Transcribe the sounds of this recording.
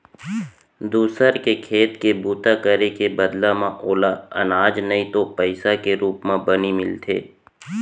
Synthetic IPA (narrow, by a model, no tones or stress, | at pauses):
d̪uːsəɾkekʰeːt̪kebuːt̪akəɾekebəd̪lamãʔoːlaɐ̰naːd͡ʒnɐĩt̪opəɪsakeɾuːpmãbɐnimɪlt̪ʰeː